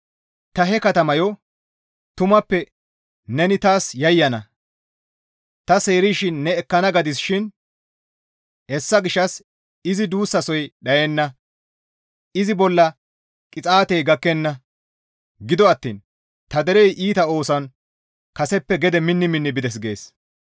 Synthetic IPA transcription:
t̪ɐɦɛkɐt̪ɐmɐjɔ | t̪ʊmɐpːɛ | nɛnɪt̪aːsjɐjːɐnɐ̰ | t̪ɐse̞ːɾiʃɪnːɛːkːɐnɐɡɐd̪ɪsʃɪn | hɛsːɐɡɪʃːɐs | ɪzɪd̪uːsːɐsɔjɗɐjɛnːɐ | ɪzɪbɔlːɐ | kʼɪt͡sʼaːt̪ɛjɡɐkːɛnːɐ | ɡɪd̪ɔɐt̪ːḭːn | t̪ɐd̪ɛɾɛjʔiːt̪ɐo̞ːsɐn | kɐsɛpːɛɡɛd̪ɛmɪnːɪmɪnːɪbɪd̪ɛs̬ɡe̞ːs

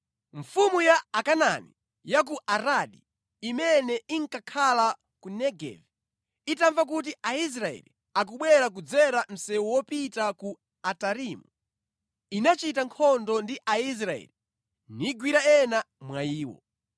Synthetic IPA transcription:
ɱfumujaːkananḭ | jak̬uʔaɾaɗḭː | mɛnɛiŋkakʰala | kunɛɡɛ̰vi | itaɱvak̬ut̬iʔais̬ɾaɛ̰lḭ | ak̬uɓwɛɾak̬ud͡zɛɾam̩sɛwwɔpitaku | ataɾimu | inat͡ʃitaŋkʰɔndɔndiʔais̬ɾaɛ̰li | niɡwiɾaɛna | mwaiːwɔ̰

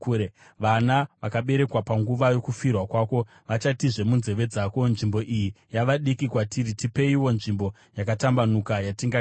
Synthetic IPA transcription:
kːe | ʋanaʋakaɓe̞ɾe̞kwapaŋɡuʋajo̞kufirwakwaːko̞ | ʋat͡ʃatiʐe̞munze̞ʋe̞d͡zako̞nʐimbo̞ʔijijaʋaɗikikwatiɾitipe̞iwo̞nʐimbo̞ | jakatambanukajatiŋɡa

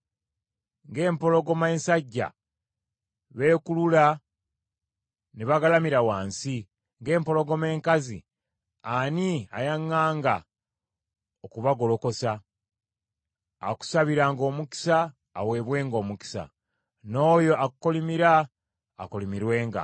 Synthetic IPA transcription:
ŋɡe̞ːmpo̞lo̞ɡo̞mensaɟːa̰ | βe̞ːkulula | neβaɡalamiɾawaːnsi | ŋɡe̞ːmpo̞lo̞ɡo̞meːŋkazḭ | ania̰jaŋːaːŋɡa | okuβaɡo̞lo̞ko̞sa | a̰ku̥saβiɾaːŋɡo̞ːmuki̥saː | we̞ːβwe̞ːŋɡo̞ːmuki̥sa̰ | no̞ːjo̞akukolimiɾa̰ː | kolimiɾwe̞ːŋɡa̰

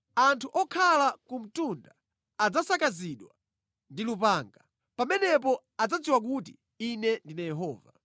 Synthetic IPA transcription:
antʰuʔɔkʰalakum̩tundaː | d͡zasakaziɗwa | ndilupaːŋɡa | pamɛnɛp̬ɔ | ad͡zad͡ziwak̬ut̬i | inɛndinajɛɦɔːva̰

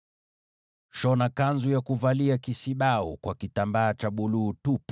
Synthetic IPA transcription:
ʃɔnakanzujakuvaliakisiɓaṵkwakitambaːt͡ʃaɓuluːtup

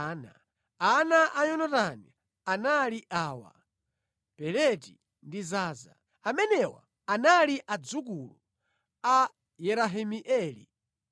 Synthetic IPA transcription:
na | anaʔaɲɔnɔtani | analiʔaːwa̰ | pɛɾɛti | ndizaːza̰ | amɛnɛwa̰ | analiʔad͡zuk̬ulu | a | jɛɾaɦimiʔɛːlḭ

